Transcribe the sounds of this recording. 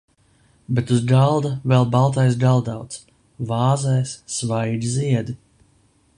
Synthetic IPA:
bɛt̪uzɡalˠd̪avɛlˠbalˠt̪̬ajs̬ɡalˠd̪awt̪s | vaːzɛjsːvajd̪ʲiziɛd̪i

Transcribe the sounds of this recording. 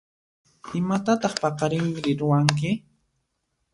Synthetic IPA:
ɪmat̪at̪ɑχpɑqɑɾɪmɪɾɪɾʊwaŋk̬ɪ

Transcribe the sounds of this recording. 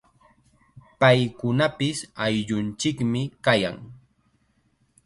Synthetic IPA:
pajkʊnapɪsajʎʊnt͡ʃɪkmɪkaja̰ŋ

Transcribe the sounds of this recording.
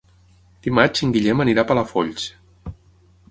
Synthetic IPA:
d̪̥imat͡ʃiŋɡiʎɛməniɾapələfoʎt͡ʃ

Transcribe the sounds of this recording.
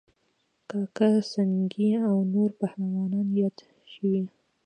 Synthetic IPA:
kɑkasaŋɡiawnoɾpahɾawɑnɑnjɑd̪ | ʃiwi

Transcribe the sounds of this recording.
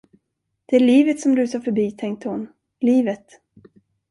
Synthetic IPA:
d̪̥ɛæɭiːvət̪sɔmd̪ʉsɑɾfœbiːt̪ʰɛŋk̚t̪əhʊn | liːvət̪

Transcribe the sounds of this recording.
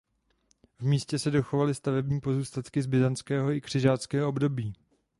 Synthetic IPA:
vmiːscɛsɛdo̞xovalɪst̪avɛbɲiːpo̞zuːst̪at̪kɪzbɪzant͡skɛːɦo̞ɪkr̥ɪʒaːt͡skɛːɦoobdo̞biː

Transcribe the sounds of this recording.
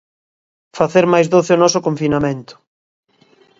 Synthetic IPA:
faθeɾmajzðoθɪonɔsʊkoɱfinamẽnt̪ʊ̥

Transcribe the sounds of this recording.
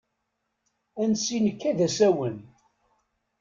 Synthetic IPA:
ænsinəkːæðæsæwən

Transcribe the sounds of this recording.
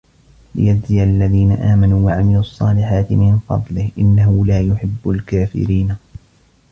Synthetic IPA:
lɪ̰jaɪjalːaðiːnaʔaːmanuːwaʕamɪluɑsˤːɑːlɪħaːt̪ɪmɪnfɑ̰d̪ˤlɪhʔɪnːahʊlaːjʊħɪbːʊlkaːfɪ̰ɾiːn

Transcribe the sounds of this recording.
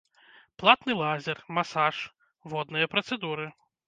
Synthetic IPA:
plˠat̪nɨlˠazʲɛrmasaʂ | vɔd̪nɨjɐpɾɐt̪sɛd̪uɾɨ

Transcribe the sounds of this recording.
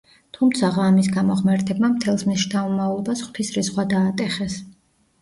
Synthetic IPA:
t̪ʰumt̪sʰaʁamis̬ɡamɔʁmɛɾt̪ʰɛb̚mamt̪ʰɛlˠsmiʃd̪avɔmavlˠɔbasχwt̪ʰisɾisʁwad̪aːt̪ʼɛχɛs

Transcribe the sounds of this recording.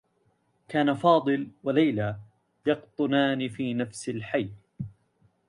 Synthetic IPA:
kaːnafɑːd̪ˤɨlwalajla | jɑqt̪ˤʊnaːnɪfiːnafsɪlħajː

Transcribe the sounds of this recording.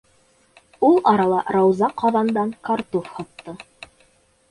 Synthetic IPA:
ulˠɑɾɑlˠɑɾɑwzɑqʰɑðɑnd̪ɑŋkɑɾt̪ofhɑt̪ːɤ

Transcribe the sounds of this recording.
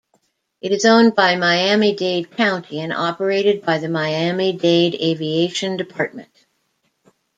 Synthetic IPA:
ʔɨɾɨzõʊ̃nbaɪmaɪæmideɪd̚kʰãʊ̃ntʰiɨ̃nɑpə˞eɪɾɨd̚baɪðɨmaɪæmideɪɾeɪvieɪʃɨ̃ndɨpʰɑɹt̚mɨ̰̃nt̚

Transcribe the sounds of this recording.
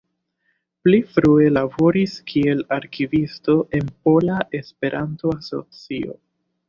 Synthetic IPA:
plifɾue̞labo̞ɾiskʰie̞laɾkivisto̞ʔe̞npo̞laʔe̞spe̞ɾʔanto̞aso̞̰t͡sio̞̰

